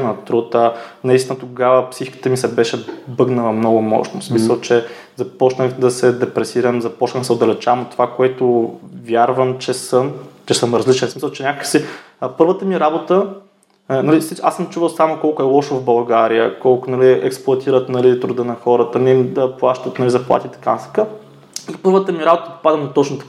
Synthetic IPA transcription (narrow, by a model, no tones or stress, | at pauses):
nɐt̪ɾut̪ənɐist̪inət̪oɡavəpsixi̥kə̥t̪əmisɛbɛʃɛbɤɡnəlˠɐmnɔɡʊmɔ̰ʃnosmisəlˠt͡ʃɛ | zɐpɔt͡ʃnəxd̪ɐsɛd̪ɛpɾɛsiɾəmzɐpɔt͡ʃnəd̪sɛod̪ɐlɛt͡ʃavɐmot̪ːovakoɛt̪ʊvʲjaɾvəmt͡ʃɛsəmt͡ʃɛsəmɾɐzlit͡ʃɛnsmisɐlˠt͡ʃɛnʲakəkəsi | pɤɾvət̪əmiɾabot̪ə | nɐlisit͡ʃa̰sːəmt͡ʃuvəlˠsamokɔlˠkʊɛlˠɔʃvbɐlˠɡaɾijəkɔlˠkʊnɐliɛ̰ksplˠʊɐt̪ʰiɾət̪nɐlit̪ɾud̪ənɐxɔɾət̪ənid̪ɐplˠaʃt̪ət̪nɐlizɐplˠa̰t̪ʲit̪ɐ̥kanɐsi̥ka | ipɤɾvət̪əmiɾabot̪əpo̥pad̪ənɐt̪ɔt͡ʃnʊt̪ɐ̥k